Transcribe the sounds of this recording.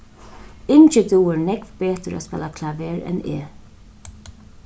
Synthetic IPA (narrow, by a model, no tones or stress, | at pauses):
ɪnt͡ʃəd̪uːəɹnɛɡvbeːt̪əɹa̰spɛlakʰlavɛːɹɛ̰nḛː